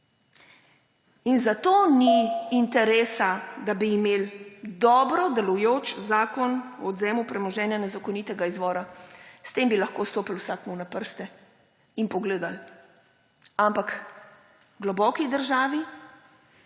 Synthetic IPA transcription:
inzat̪oːniːnt̪ɛɾeːsad̪abiːmeːld̪ɔːbɾɔd̪ɛlujoːt͡ʃzaːkɔnɔːd̪zɛːmupɾɛmɔʒɛːnjanɛzakɔnit̪ɛɡaizʋɔːɾast̪eːmbilaxkoːst̪oːpilwsaːk̪nuwnapəɾst̪ɛ | inpɔɡleːd̪al | ampak | ɡlɔbɔːkid̪əɾʒaːʋi

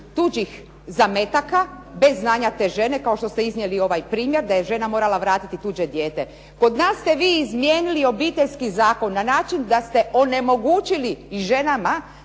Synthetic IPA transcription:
t̪ud͡ʑix | zame̞t̪akabe̞zːnaːɲat̪e̞ːʒe̞ne̞kao̞ʃt̪o̞st̪e̞iznɲjelio̞ʋajpɾiːmje̞ɾd̪aje̞ʒe̞namo̞ːɾalaʋɾaːt̪it̪it̪uːd͡ʑe̞d̪jeːt̪e̞ | ko̞d̪naːsːt̪e̞ʋiːizmjeːnilio̞biːt̪eʎʲskizaːko̞nːanaːt͡ʃind̪ast̪e̞ʔo̞ne̞mo̞ɡuːt͡ʃiliːʒe̞nama

